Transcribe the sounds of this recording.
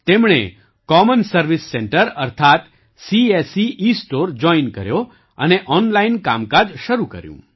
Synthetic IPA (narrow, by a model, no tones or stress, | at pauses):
t̪emɳḛ | kɔmənsəɾʋisːɛɳʈəɾəɾt̪ʰat̪ | siesiʔisʈoɾd͡ʒɔinkə̰ɾjo | əneʔɔnlainka̰mkad͡ʒʃəɾukə̰ɾjṵ̃